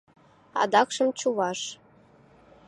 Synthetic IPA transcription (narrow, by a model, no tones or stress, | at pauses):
ɑ̰d̪ɑkʃɤ̆mt͡ɕuβɑʃ